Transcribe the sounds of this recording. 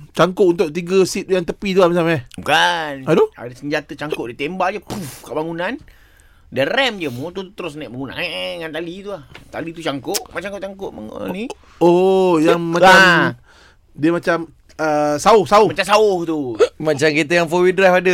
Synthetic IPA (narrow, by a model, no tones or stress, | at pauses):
t͡ʃaŋkʊʔunt̪̬ʊʔ̚t̪iɡəsit̪̚jaŋt̪əpit̪uahmis̬almɛkanadoa̰dəsəɲd͡ʒat̪ət͡ʃaŋkʊʔdit̪embad͡ʒəpufkaʔbaŋunan | dəɾɛmd͡ʒəmot̪ut̪əɾʊs̬naʔbaŋunã̰ŋŋant̪alit̪uaht̪a̰lit̪ut͡ʃaŋkoʔmat͡ʃaŋkoʔt͡ʃaŋkʊʔa̰ni | ojaŋmaa | diəmat͡ʃam | əsaʊhsaʊmat͡ʃamsaʊht̪umat͡ʃamkit̪̬əjaŋfowidɾafadə